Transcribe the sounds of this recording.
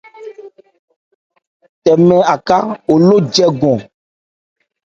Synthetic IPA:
tɛ˨mɛ̃˨a˨ka˦wo˨lo˦d͡ʒɛ˦ɡɔ̃˨

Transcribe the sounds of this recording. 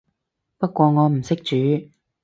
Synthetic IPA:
pɐ˥t̚kʷɔː˧ŋɔː˨˧m̩˨˩sɪ˥k̚t͡ʃyː˨˥

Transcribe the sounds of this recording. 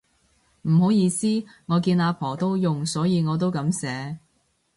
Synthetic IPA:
m̩˨˩ɦo˨˥wjiː˨˧siː˥ŋɔː˨˧kiː˧naː˨˧pʰɔː˨˩t̪o˥wjʊ˨ŋsɔː˨˥jiː˨˧ŋɔː˨˧t̪̬o˥wkɐ˨˧˥msɛː˨˥

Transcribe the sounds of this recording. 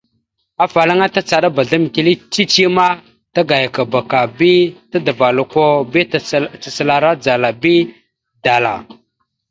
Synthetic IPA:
a˨fa˨la˦ŋa˦ta˦t͡sa˨ɗa˦ba˨ɮa˦m˨ki˨li˦t͡ʃi˦t͡ʃi˦ma˦ | ta˦ɡa˨ja˨ka˨ba˨ka˨bi˦ta˦də˨va˨lu˨ko˦bi˦˨t͡sə˨sə˨la˨ɾa˦d͡za˨la˨bi˦ | da˨la̰˨

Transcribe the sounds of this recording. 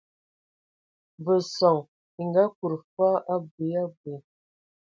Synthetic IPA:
bə˨so˨ŋ | i˨ŋɡa˦ku˨ɾfa˦ʔa˦bi˨ja˦bi˨

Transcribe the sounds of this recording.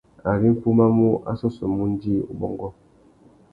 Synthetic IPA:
a˨bi˦m̩˦pu˦ma˦mu˦a̰˦sɔ˦so˨mu˦n˦di˦ṵ˨bɔ˨ŋɡɔ˦

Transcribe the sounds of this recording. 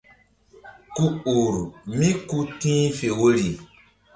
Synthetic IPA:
ku˦u˨ɾmĩ˦ku˦tĩː˦fe˨wo˦ɾi˨

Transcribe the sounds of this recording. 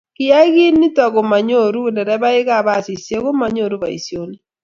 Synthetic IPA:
kɪ˦a˦ɣi˦ni˦ta˨ɡo˨ma˨ɲo˦˨ɾu˦˨nɛ˨ɾɛ˦ba˦ɪ˦ka˦˨ba˦˨si˨sje˦kʊ˦ma˨ɲo˦˨ɾu˦ba˨ḭ˨sjo˦ni˦

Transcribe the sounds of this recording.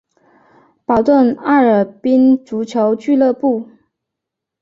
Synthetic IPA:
pɑ˨˩ʊt̪wə˥˧na˥˩ə˞˨˩pi˥nt͡su˧˥t͡ɕʰjo˧˥ʊt͡ɕy˥˧lɤ˥˧pu˥˩

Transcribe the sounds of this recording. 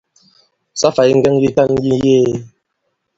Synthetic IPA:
sa˦fa˨i˦ŋ̩˦ɡɛ˦ŋji˦ta˦˨n˦ji˦jeː˦˨

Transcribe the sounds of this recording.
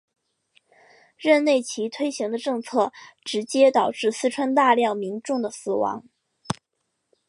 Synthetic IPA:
ɻə˥˧nle˥˩ɪt͡ɕʰi˧˥t̪ʰwe˥ɪɕi˧˥ŋd̪ə˧ʈ͡ʂɤ˥˧ŋt͡sʰɤ˥˩ʈ͡ʂɻ̩˧˥t͡ɕjɛ˥t̪ɑ˨˩ʊʈ͡ʂɻ̩˥˩sɹ̩˥˧ʈ͡ʂʰwa˥nt̪a˥˧ljɑ˥˩ŋmi˧˥nʈ͡ʂʊ˥˩ŋd̪ə˩sɹ̩˨˩wɑ̰˧˥ŋ

